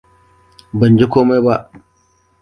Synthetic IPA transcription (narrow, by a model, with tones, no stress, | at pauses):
bɐ˨nd͡ʒi˦kʷoː˦ma˦jba˦ʔ